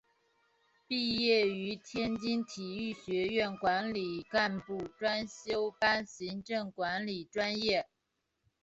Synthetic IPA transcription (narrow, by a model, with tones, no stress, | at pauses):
pi˥˧jɛ˥˩y˧˥t̪ʰjɛ˥nt͡ɕi˥ŋt̪ʰi˨˩y˥˩ɕɥɛ˧˥ɥɛ˥˩nkwa˧˥nli˨˩ka˥˧npu˥˩ʈ͡ʂwa˥nɕjo˥ʊpa˥nɕi˧˥ŋʈ͡ʂɤ˥˩ŋkwa˧˥nli˨˩ʈ͡ʂwa˥njɛ˥˩